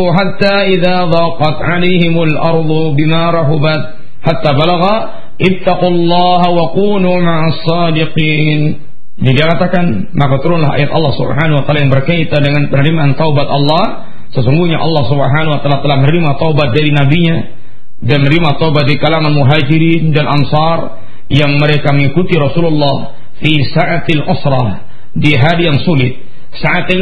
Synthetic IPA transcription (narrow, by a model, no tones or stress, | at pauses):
ɦat̪ːaʔiðaðˤɑːqɑt̪ʕalejɦɪmalʔɑɾˤd̪ˤubɪmaɾˤɑɦʊbat̪̚ | ħat̪ːabalaɣa | ʔɪt̪ːaqulːɑːɦawaquːluːmaʕasːɑːdɪqiːn | adiakat̪akan | makat̪uɾʊnlaɦa̰jat̪ɑlːɑhsṵbɦanahwat̪alajaŋbərkait̪adəŋanpənəɾimaːnt̪aubat̪ɑlːɑh | səsuŋɡuɲaʔɑ̰lːɑhsubəɦanwat̪əlat̪əlahmənɾimat̪aubat̪̚daɾinabiɲa | danmənɾimat̪aubat̪̚dikalaŋanmuɦad͡ʒiɾindanʔansɑr | jaŋməɾekaməŋikut̪iɾɑsululːɑh | fisaʔat̪alʔʊsɾɑ | diɦadijaŋsulɪt̪̚ | saʔat̪